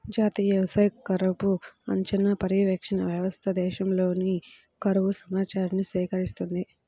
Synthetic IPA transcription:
d͡ʒaːt̪iːjɐʋɐsɐjkɐɾɐpuɐ̰ɲt͡ʃɐnɐpɐɾiʋɐkʂɐnɐʋjɐʋɐst̪ʰɐd̪ɛːʃɐmlo̞ːni | kɐɾɐʋusɐmaːt͡ʃaːɾɐnːisʋiːkɐɾist̪und̪i

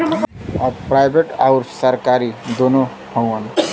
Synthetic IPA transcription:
ʌprajbʱeʈawɾsʌɾkaɾid̪ono | hʌ̃wʌn

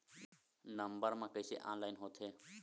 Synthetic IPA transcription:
nəmbəɾmãkəɪsḛʔã̰ːnlaːɪnɦoːt̪ʰɦeː

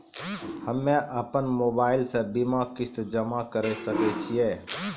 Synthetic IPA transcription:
həmːẽʔəpənmoːbaːɪlsebimakɪst̪d͡ʒəmakəɾesəket͡ʃʰieː

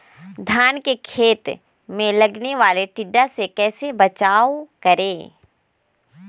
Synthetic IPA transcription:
d̪ʱjaːnkekʰeːt̪ | mẽlɐɡneʋaːleʈɪɖːasekɛːsebɐt͡ʃaːʋkɐɾeː

